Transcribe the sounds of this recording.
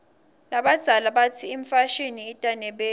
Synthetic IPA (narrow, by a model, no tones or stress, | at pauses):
laɓad̥z̥ʱalaɓatʰiiɱfaʃiniːtʼanɛɓeː